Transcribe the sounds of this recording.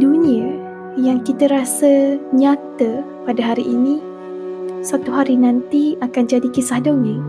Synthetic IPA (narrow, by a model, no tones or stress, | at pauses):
duniə | jaŋkit̪əɾasəɲat̪ə | padaɦaɾiʔinĩ | sat̪uɦaɾinãnt̪iakand͡ʒadikisahdoŋə̃